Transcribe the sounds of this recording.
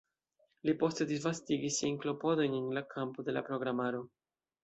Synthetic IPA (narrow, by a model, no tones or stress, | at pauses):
lipo̞st̪e̞d̪izvastiɡisːiajnklo̞po̞do̞jnenlakʰampod̪e̞la̰pɾo̞ɡɾamaɾo̞